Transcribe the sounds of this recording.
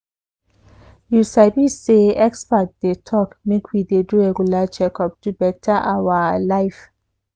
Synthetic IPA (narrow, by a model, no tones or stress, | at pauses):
jusabiseɛkspat̚d̥etʰɔkmekʰwidedueɡulat͡ʃɛkɔp̚d̥ubɛtʰaʔawalaɪf